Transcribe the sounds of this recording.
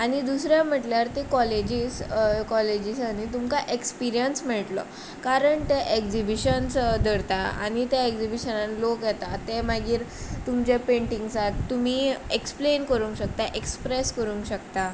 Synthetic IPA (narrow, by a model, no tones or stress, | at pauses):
añid̪usɾjam̤əʈljaɾt̪ekɔled͡ʑiːskɔled͡ʑiːsanit̪umkaʔekspiɾijənsm̤ɛɭʈlɔ̰ | kaɾəɳt̪eʔekd͡ʑibiɕənsd̪əɾt̪aa̰ñit̪jaekzibiɕənanlokjɛt̪at̪emaɡiːɾt̪umt͡ɕepẽɳʈĩŋɡsat̪t̪um̤iːeksplenkəɾũŋkɕək̚t̪aʔekspɾeskəɾuːŋkɕəkt̪a